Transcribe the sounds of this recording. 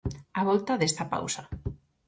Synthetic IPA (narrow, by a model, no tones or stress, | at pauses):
aβɔlt̪aðest̪ɐpa̰wsɐ